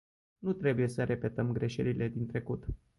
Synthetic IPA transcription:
nut̪ɾe̞buje̞səɾʔe̞pe̞t̪əmɡɾe̞ʃeɾile̞d̪int̪ɾe̞kut̪

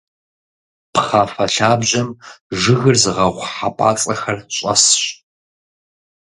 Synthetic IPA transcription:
pχaːfɐɬaːbʑɐmʐɨɣɨrzɨʁɐʁʷħapʼa̰ːt͡sʼɐxɐrɕʼɐ̰sɕ

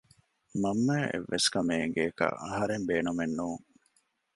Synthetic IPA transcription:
mɐmːæːʔḛʋːeskɐmeːŋɡeːkɐ̰ʔɐɦɐɾembeːnumenːuːŋ

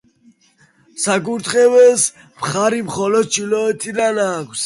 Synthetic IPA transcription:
saɡuɾt̪ʰχʼɛvɛls | mχaɾimχɔlɔd̪̚t͡ʃʰilɔɛt̪ʰid̪anaːkʰs

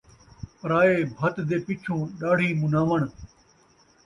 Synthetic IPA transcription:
pɾaːeːbʱɐt̪d̪eːpɪt͡ʃʰũːɗaːɽ̤ʱĩːmʊnaːʋəɳ̃

